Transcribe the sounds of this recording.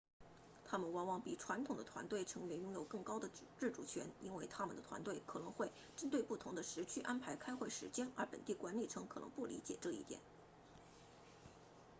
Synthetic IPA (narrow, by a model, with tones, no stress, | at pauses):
t̪ʰa˥mə˨nwɑ˧˥ŋwɑ˥˩ŋpi˨˩ʈ͡ʂʰwa˧˥nt̪ʰʊ˨˩ŋd̪ə˦t̪ʰwa̰˧˥nt̪we˥˩ɪʈ͡ʂʰɤ˧˥ŋwe˧˥ɪjʊ˥ŋjo˨˩ʊkɤ˥˩ŋkɑ˥ʊd̪ə˨ʈ͡ʂɻ̩˥˩ʈ͡ʂu˨˩t͡ɕʰɥɛ̰˧˥ni˥nwe˥˩ɪt̪ʰa˥mə˨nd̪ə˩t̪ʰwa̰˧˥nt̪we˥˩ɪkʰɤ˨˩nɤ˧˥ŋxwe˥˩ɪ | ʈ͡ʂə˥nt̪we˥˧ɪpu˥˩t̪ʰʊ˧˥ŋd̪ə˧ʂɻ̩˧˥t͡ɕʰy˥ʔa˥npʰa˧˥ɪkʰa˥ɪxwe˥˩ɪʂɻ̩˧˥t͡ɕjɛ˥nə̰˞˧˥pə̰˨˩nt̪i˥˩kwa˧˥nli˨˩ʈ͡ʂʰɤ˧˥ŋkʰɤ˨˩nɤ̰˧˥ŋpu˥˩lḭ˧˥t͡ɕjɛ̰˨˩ʈ͡ʂɤ˥˧ḭ˥˩t̪jɛ̰˨˩˦n